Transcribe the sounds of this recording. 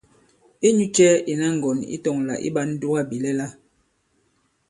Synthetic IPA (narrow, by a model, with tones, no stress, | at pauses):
e˦ɲu˦t͡ʃɛ˦e˨na˦ŋ̩˨ɡɔ˨nḭ˦tɔ˨ŋla̰˨ʔḭ˦ba˦n̩˦du˦a˦bi˨lɛ˦la˦